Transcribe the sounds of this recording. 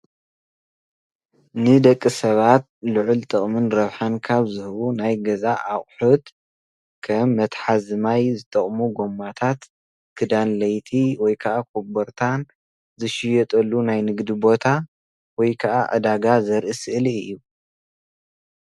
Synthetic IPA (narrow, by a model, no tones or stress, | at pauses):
nɨd̪ɐkʼːisɐβat̪̚lɨʕʊlt̪ʼɨχʼmɨnɾɐβħankʰaβzɨhɨβunajɡɐzaʔːχʼħut̪ | kʰɐmːɐt̪ħazɨmajzɨt̪ʼɐχʼmuɡo̞mːat̪ʰat̪ | kʰɨd̪anlɐjt̪ʰiwɔjkʰɐʔakʰobɐɾt̪ʰan | zɨʃɪjɛt̪ʼɐlːunajnɨɡd̪ibo̞t̪ʰa | wɔjkʰɐʔaʔɐ̰d̪aɡazɐɾʔɨsɨʔɨlijːu